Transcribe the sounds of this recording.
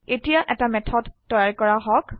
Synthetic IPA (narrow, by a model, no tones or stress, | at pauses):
etijaʔɛtamɛtʰɔdːɔjaɹkɔɹaɦɔk